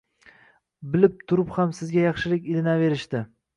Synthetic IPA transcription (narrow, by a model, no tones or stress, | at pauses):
bɪlɪp̚t̪ʰʊɾɪphamsɪzɡʲajɑχʃɪlɪkʲɪlɪnave̞ɾɪʃt̪ɪ